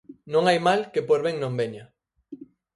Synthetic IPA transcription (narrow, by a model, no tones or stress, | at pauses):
nõŋajmalkepoɾβeŋnõmbeɲa